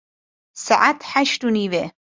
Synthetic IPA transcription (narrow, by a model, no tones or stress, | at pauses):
saʕat̪ħaʃʈuniwe